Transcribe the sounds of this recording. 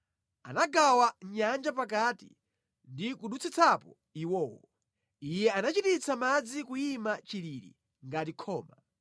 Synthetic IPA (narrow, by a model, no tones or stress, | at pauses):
anaɡawaɲand͡ʒapak̬atḭ | ndikuɗut͡sit͡sʰapɔ̰ | iwɔːwɔ | ijɛanat͡ʃitit͡samad͡zikujimat͡ʃiliɾḭ | ŋɡat̬ikʰɔːma